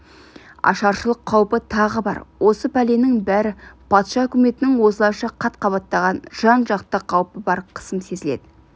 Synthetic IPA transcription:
ɑ̰ʃɑɾʃəlˠəqʰːɑwpət̪ʰɑʁəbɑ̰ɾwʔo̞səpʰæle̞nɪŋbæɾɪpʰɑt̪ʃɑɵkʲɪme̞t̪ɪnɪŋwo̞səlˠɑjʃɑqʰɑt̪qʰɑβɑt̪ːɑʁɑnʒ̥ɑnʒɑqt̪əqʰɑwpəbɑɾqʰə̥səmse̞zɪle̞̰d̪̥ɪ

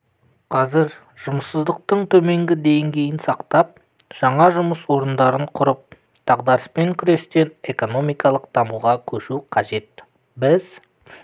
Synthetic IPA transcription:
qʰɑzɪɾ | ʒ̥ʊməsːəzd̪əq̚t̪əɴt̪ʰɵme̞ŋɡʲɪd̪e̞jŋɡʲe̞jɪnsɑqt̪ɑp̚ | ʒ̥ɑɴɑʒʊməswo̞ɾənd̪ɑɾəɴqʰʊɾəp̚ | d̪̥ɑʁd̪ɑɾəspeŋkʲʰʏɾe̞st̪e̞ne̞ko̞no̞mijkɑlˠəqt̪ʰɑmuʁɑkʲʰɵʃuqʰɑʒe̞t̪ | bɪz̥

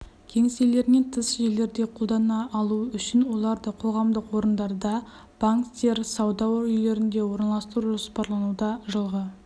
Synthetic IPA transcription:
kʲʰe̞ŋse̞le̞ɾne̞nt̪ʰəsʒe̞lːe̞ɾd̪e̞qʰolˠd̪ɑnɑʔːlˠuʏʃɪnwo̞lˠɑɾd̪əqʰo̞ʁɑmd̪əqwo̞ɾənd̪ɑɾd̪ɑ | b̥aŋkt̪ʲe̞ɾsɑwd̪ɑwɾʏjle̞ɾɪnd̪e̞wo̞ɾənɑlˠɑst̪əɾuʒo̞spɑɾlˠɑnud̪ɑʒəlˠʁə

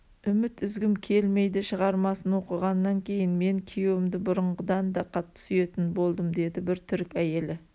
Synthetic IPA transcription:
ʏmɪt̪ʏzɡʲɪmkʲʰe̞lme̞jd̪ɪʃəʁɑɾmɑsənwo̞qəʁɑnːɑŋkʲʰe̞jɪnme̞ŋkʲʰejewɪmd̪ɪbʊɾəɴʁəd̪ɑnd̪ɑqʰɑt̪ːə̥syje̞t̪ɪnbo̞lˠd̪əmd̪e̞d̪ɪbɪɾt̪ʰʏɾkʲæje̞lɪ

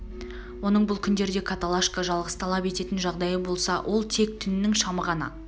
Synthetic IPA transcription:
wo̞nəɴbʊlˠkʲʰʏnd̪e̞ɾd̪e̞kʰat̪alˠaʃkaʒɑlˠʁəst̪ʰɑlˠɑpe̞t̪e̞t̪ɪnʒɑʁd̪ɑjəbo̞lˠsɑwʔo̞lˠt̪ʰe̞k̚t̪ʰʏnɪnɪŋʃɑməʁɑnə̰

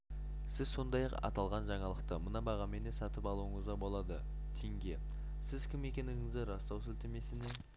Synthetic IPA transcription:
sɪzso̞nd̪ɑjɑqɑ̰t̪ɑlˠʁɑnʒɑɴɑlˠəqt̪əmənɑbɑʁɑme̞nesɑt̪əpɑlˠuəɴəzʁɑbo̞lˠɑd̪ə | t̪ʰeŋɡʲe̞ | sɪzkʲʰɪme̞kʲe̞nɪŋɪzd̪ɪɾɑst̪ɑwsɵlt̪eme̞sɪne

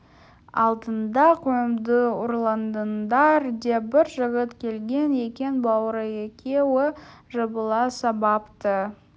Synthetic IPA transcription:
ɑ̰lˠd̪ənd̪ɑqʰujəmd̪əʊɾlˠɑnd̪ənd̪ɑɾd̪ebɪɾʒəʁət̪kʲʰe̞lɡʲe̞ne̞kʲe̞nbɑwɾəekʲʰe̞wɪʒəbəlˠɑsɑbɑpt̪ə

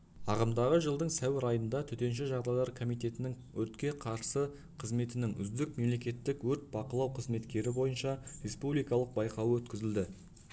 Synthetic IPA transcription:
ɑʁəmd̪ɑʁəʒəlˠd̪əɴsæwɪɾɑjənd̪ɑt̪ʰʏt̪e̞nʃ̬ɪʒɑʁd̪ɑjlˠɑɾkʰo̞mijt̪e̞t̪ɪnɪŋ | wɵt̪kʲe̞qʰɑɾsə | qʰəzme̞t̪ɪnɪŋʏ̰zd̪ɪk̚me̞mle̞kʲe̞t̪ːɪkwɵɾt̪̚bɑqəlˠɑwqʰəzme̞t̪kʲe̞ɾɪbo̞jənʃɑɾe̞spublijkɑlˠəq̚bɑjqɑwəwɵt̪kʲɪzɪld̪ɪ

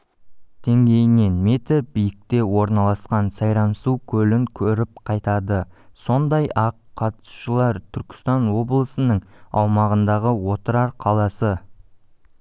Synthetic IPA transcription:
d̪̥eŋɡʲe̞jɪne̞nmet̪ɪbijɪk̚t̪e̞wo̞ɾnɑlˠɑsqɑnsɑjɾɑmsuwkʲʰɵlɪŋkʲʰɵɾɪp̚qʰɑjt̪ɑd̪əso̞nd̪ɑjʔɑqʰːɑt̪su̥ʃəlˠɑɾt̪ʰʏɾkʲɪ̥st̪ɑnwo̞blˠəsənəɴɑwmɑʁənd̪ɑʁəwo̞t̪əɾɑɾqʰɑlˠɑsə

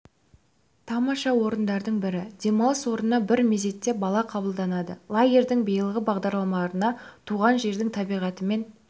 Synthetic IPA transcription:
t̪ʰɑmɑʃɑwo̞ɾənd̪ɑɾd̪əɴbɪɾɪd̪̥e̞mɑlˠəswo̞ɾənːɑbɪɾmeze̞t̪ːe̞bɑlˠɑqʰɑbəlˠd̪ɑnɑd̪əlˠaɡʲe̞ɾd̪ɪŋbijəlˠʁəbɑʁd̪ɑɾlˠɑmɑlˠɾənɑt̪ʰuʁɑnʒe̞ɾd̪ɪŋt̪ʰɑbijʁɑt̪əme̞n

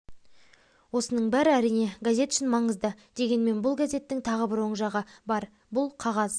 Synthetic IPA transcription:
wo̞sənəɴbæɾɪæɾijne̞ɡazʲe̞t̪ʏ̥ʃɪnmɑɴəzd̪əd̪e̞ɡʲe̞nme̞nbʊlˠɡazʲe̞t̪ːɪŋt̪ʰɑʁəbɪɾwo̞ɴʒɑʁəbɑɾ | bʊlˠqʰɑʁɑz

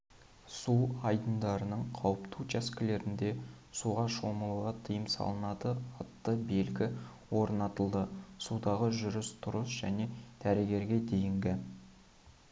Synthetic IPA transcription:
suɑjd̪ənd̪ɑɾənəɴqʰɑwəpt̪ʰut͡ʃʰæskʲɪle̞ɾɪnd̪e̞ | suʁɑʃo̞məlˠuʁɑt̪ʰijəmsɑ̰lˠənɑd̪əɑt̪ːəbe̞lɡʲɪ | wo̞ɾnɑt̪əlˠd̪əsud̪ɑʁəʒʏɾʏst̪ʰʊɾəsʒæne̞d̪̥æɾeɡʲe̞ɾɡʲe̞d̪e̞jɪŋɡʲɪ

